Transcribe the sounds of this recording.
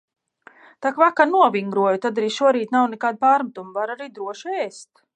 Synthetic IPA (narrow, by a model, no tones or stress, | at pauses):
t̪akvakaɾnuɔvʲiŋɡɾuɔjut̪ad̪aɾiːʃuɔɾiːt̪nawnɛkaːd̪̚paːɾmat̪umvaɾaɾiːd̪ɾuɔʃɛːst̪